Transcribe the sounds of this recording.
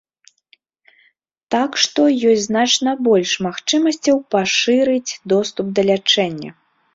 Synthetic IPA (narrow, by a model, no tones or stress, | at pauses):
t̪akʂt̪ɔjɔsʲznat͡ʂnɐbɔlʲʂmaxt͡ʂɨmɐsʲt͡sʲɐwpaʂɨɾɨt͡sʲd̪ɔst̪up̚d̪ɐlʲat͡ʂɛnʲːɐ̰